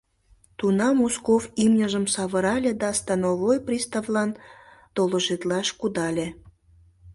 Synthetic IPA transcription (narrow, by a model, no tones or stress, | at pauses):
t̪unɑmoskofimnʲəʒəmsɑβəɾɑlʲed̪ɑst̪ɑnoβojprʲist̪ɑvlɑnt̪oləʒet̪lɑʃkud̪ɑlʲe